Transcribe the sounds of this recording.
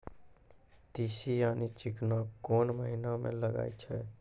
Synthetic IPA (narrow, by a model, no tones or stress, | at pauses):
t̪iːsijaːnit͡ʃɪknakoːnməɦinamḛ̃ləɡa̰ːit͡ʃʰɛ